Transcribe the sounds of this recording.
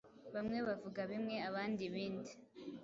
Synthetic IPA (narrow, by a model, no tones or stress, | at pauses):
βamŋe̞βavuɡaβimŋe̞aβaːndiβiːndi